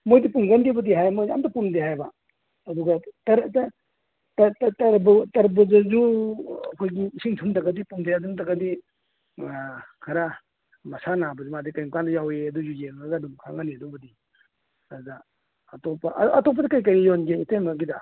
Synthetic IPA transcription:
mojdipuŋɡanɡibɐdiɦajmojdia̰mtapundeɦajba | ɐduɡatɐɾt | tttɐɾbɐtɐɾbuzɐzuɐkʰojɡiːsiŋtʰumtɐɡɐdipundeadumtaɡɐdi | kʰaɾa | mɐsanabɐzumadikajmkandɐjaweɐduzujeŋaɡadumkʰaŋaniɐdubɐdi | ɐduɡaː | topaʔɐtɔp̬ːadikajkajijonɡeitenbaɡida

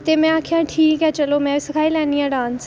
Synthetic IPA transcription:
t̪emɛ̃akʰiãʈʰiːkɛt͡ʃɐlomɛ̃ʋɪskʰaːilãniãɖãːns

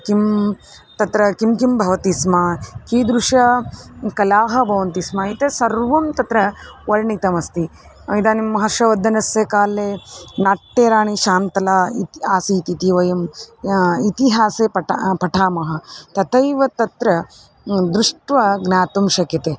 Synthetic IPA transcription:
kim | t̪ɐt̪ɾɐkimkimbʱɐʋɐt̪ismakiːd̪ɾuʂɐkɐlaːɦɐbʱɐʋɐnt̪ismait̪esɐɾʋɐmt̪ɐt̪ɾɐʋɐɾɳit̪ɐmɐst̪i | id̪aːnimːɐɦɐʃɐʋɐd̪ʱːɐnɐsjekaːlːeːnaːʈːeːɾaːɳiʃaːnt̪ɐlaːit̪aːsiːt̪it̪iʋɐjɐm | it̪iɦaːseːpɐpɐʈʰaːmɐɦɐ̆t̪ɐt̪ɐjʋɐt̪ɐt̪ɾɐ | d̪ɾuʂʈʋɐɡnaːt̪umʃɐkɐt̪eː

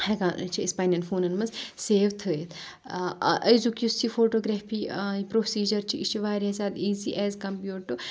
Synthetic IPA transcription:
hɐɡat͡ʃʰiispaːnɐnfʰoːnɐnmɐnzseːʋt̪ʰɨːet̪ʰ | ʔɐjzukjust͡ʃʰifoːʈoːɡɾɛːfʰiːpɾoːsiːd͡ʒɐɾt͡ʃʰiit͡ʃʰiʋaːɾɐsaːd̪iːziːʔɛːzkɐmpjuːʈɨ

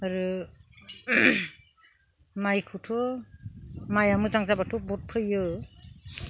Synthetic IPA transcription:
aɾɯ | majkʰutʰu | majamuzaŋzabatʰubɔt̚pʰɯjɯ

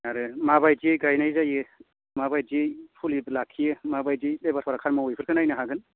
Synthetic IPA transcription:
aɾɯmabajzijɡajnajzajɯ | mabajdijpʰuliblakʰːijɯmabajzijdebatʰwaɾakʰaɾmaojpʰɯɾkʰɯnajnɯɦaɡɯn

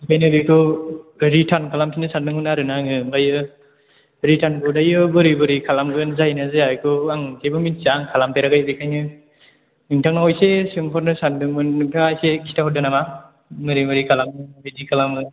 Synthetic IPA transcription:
ikʰajnɯɾɯkʰɯ | ɾitʰankʰalamkʰinɯsandɯŋhɯnaɾɯnaŋɯbajɯ | ɾitʰanbɯdajɯbɯɾibɯɾikʰalamɡɯnzajnazeajkʰɯaŋkebɯmint͡ʃaŋkʰalampeɾaɡajbikʰajnɯ | nɯŋtʰaŋnaɔjsesɯŋpʰɔɾnɯsandɯŋbɯnːɯŋtʰaŋajsekʰi̥tʰaɦɔdɯnama | mɯɾimɯɾikʰalamɯbidikʰalamɡɯ

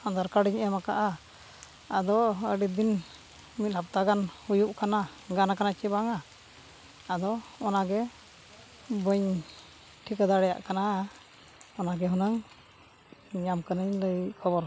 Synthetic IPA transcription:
and̪aɾkaɽiɲɛmaka̰ʔa | ad̪ɔəɖid̪in | mit̪̚ˀlap̚t̪aɡanhujuʔkanaɡanakanat͡ʃibaŋaː | d̪ɔɔnaɡɛ | bəɲ | ʈʰikad̪aɽɛja̰ʔkana | ɔnaɡɛɦɔnəŋ | ɲamkənəɲləjkʰɔbɔɾ

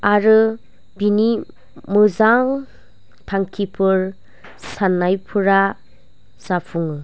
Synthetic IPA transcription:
aɾɯ | bini | mɯzaŋ | tʰaŋkʰipʰɯɾ | sanːajpʰɯɾa | sapʰuŋɯ

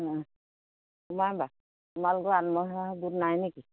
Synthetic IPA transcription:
umajba | tumaluɡɔanmɔɦaɦbudnajneki

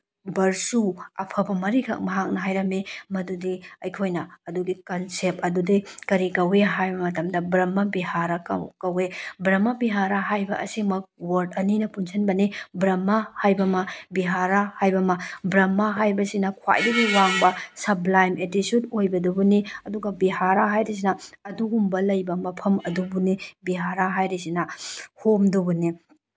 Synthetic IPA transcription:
bɐɾsuɐ̰pʰɐbɐmɐɾikʰɐ̰k̚mɐɦak̚nɐɦajɾɐmemɐdudiɐjkʰojnɐɐduɡikɐnsep̚ɐdudikɐɾikɐweɦajbɐmɐtɐmdɐbɾɐmːɐbihaɾakkɐwebɾɐmɐbiɦaɾaɦajbɐʔɐ̰simɐk̚wɐɾd̚ɐninɐpunsʰɐnbɐnibɾɐmːɐhajbɐmɐbiɦaɾahajbɐmɐbɾɐmːɐɦajbɐsinɐkʰwa̰jdɐɡiwaŋbɐsɐblajmʔetitjudojbɐdɐbuniɐduɡɐbiɦaɾaɦajɾis̬inɐɐduɡumbɐlɐjbɐmɐpʰɐmɐdubunibiɦaɾaɦajɾisinɐhomdubuni

